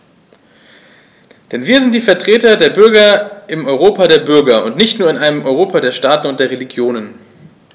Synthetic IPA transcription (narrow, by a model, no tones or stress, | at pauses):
d̥ɛnviːɐzɪnt̚d̥iːfɛɐtʁ̥eːtɐdeːɐbʏɐɡɐʔɪmɔʏʁoːpadeːɐbʏɐɡɐʊ̰ntnɪçtnuːɐɪnʔaɪnəmʔɔʏʁoːpadeːɐʃtaːtn̩ʊntd̥eːɐʁeliɡjoːnən